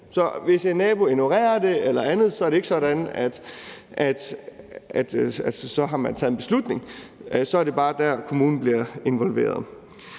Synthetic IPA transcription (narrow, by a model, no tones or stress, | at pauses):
sɒ̽ʋe̝senɛːb̥o̝eno̝ʁɛ̰ːɐd̥e̝elɐænð̞̩ˠsɒ̽æɐɾee̝ɡ̥sɒ̽ɾænæd̥ʔæd̥ | æd̥æssɒ̽ɦɑ̈mænt͡sʰɛ̰ːð̩ˠnb̥e̝slud̥ne̝ŋsɒ̽æɐɾ̥e̝b̥ɑ̈ːd̥æɐkʰo̝muːn̩b̥liɐe̝nʋɒ̽lʋe̝̰ːɐð̞ˠ